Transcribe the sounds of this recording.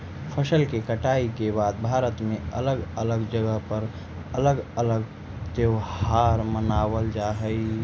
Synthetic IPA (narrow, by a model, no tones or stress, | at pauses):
pʰəsəlkekəʈaːikebaːd̪̚bʱaːɾət̪mẽə̰ləɡələɡd͡ʒəɡəɦpəɾ | ələɡələɡ | t̪eohaːɾmənaːwəld͡ʒaːɦəi